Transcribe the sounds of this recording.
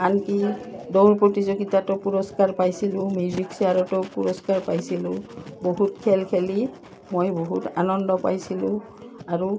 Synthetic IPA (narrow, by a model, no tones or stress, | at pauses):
ankidowɹpɹotizoɡitatɔpuɹɔskaɹpajsilʊ̃mjuziksiaɹɔtɔpuɹɔskaɹpajsilʊ̃boɦutkʰɛlkʰeli | mojboɦuta̰nɔndɔpajsilʊ̃ | aɹu